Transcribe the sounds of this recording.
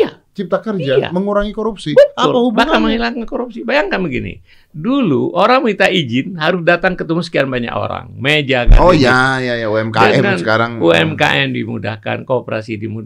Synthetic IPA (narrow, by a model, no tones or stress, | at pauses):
ija̰t͡ʃip̚t̪akərd͡ʒaa̰məŋuɾaŋikoɾupsibət̪aʊlhubbakanməŋhilaŋakoɾup̚sibajaŋkanbəɡinḭ | duluʔoɾaŋməit̪aʔid͡ʒɪnɦaɾʊsdat̪aŋkət̪əmusə̥kianbaɲa̰ko̰ɾa̰ŋmed͡ʒaka̰ojajajauɛmkaaɛŋansəkaɾaŋŋuɛmka̰ʔɛndimuda̰hka̰nkoːpəɾasidimud